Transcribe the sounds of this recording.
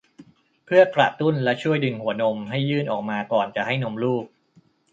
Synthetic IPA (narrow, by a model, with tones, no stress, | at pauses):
pʰɯ˥˩ɐəkɾa̰˨˩t̪u˥˩nlɛ˦˥t͡ɕʰu˥˩əjdɯ˨˧˩ŋhu˩˦ɐno˧mɦa˥˩jːɯː˥˩nʔɔː˨˩k̚maː˧kɔː˨˩nt͡ɕa˨˩ʔha˥˩jno˧mluː˥˩k̚